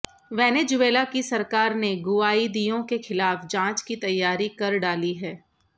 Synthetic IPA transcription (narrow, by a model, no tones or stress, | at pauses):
ʋɛːned͡ʒʊʋeːlakisɐɾkaːɾneɡʊaːid̪ijõkexɪlaːfd͡ʒãːt͡ʃkit̪ɐjːaːɾikɐɾɖaːliɦɛː